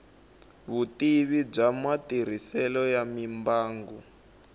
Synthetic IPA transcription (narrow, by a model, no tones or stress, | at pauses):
βutiβib͡ʐamatir̤isɛlɔjamimbaːŋɡu